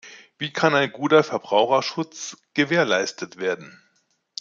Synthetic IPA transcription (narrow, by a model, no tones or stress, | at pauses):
viːkʰanaɪnɡuːtɐfɛɐbʁaʊxɐʃʊt͡sɡ̥əveːɐlaɪstʰətv̥eːɐdn̩